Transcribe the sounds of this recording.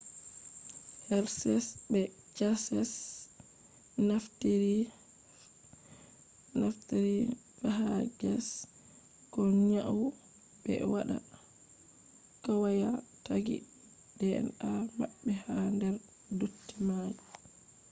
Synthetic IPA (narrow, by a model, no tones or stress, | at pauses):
hɛɾsɛsbɛd͡ʒasɛs | naftiɾi | nafteɾi | faɦaɡɛs | kɔɲaʔw | bɛ̰waɗa̰ | kawajataɡḭ | d̥ɛɛ̰namaɓːɛhandɛɾ | dutːimaji